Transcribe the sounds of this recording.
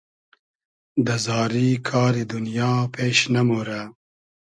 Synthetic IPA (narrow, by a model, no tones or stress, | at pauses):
d̪əzɑːɾikʰɑːɾid̪unijɑːpʰeːʃnɐmoɾa